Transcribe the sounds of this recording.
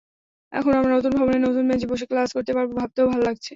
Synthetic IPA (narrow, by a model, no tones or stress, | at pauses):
ɛ̰kʰonamɾanot̪̬unbʱaboneɾnot̪unmed͡ʑeboʃ̬eklaskoɾt̪epaɾbobʱab̚t̪eobʱalolaɡ̚t͡ɕʰe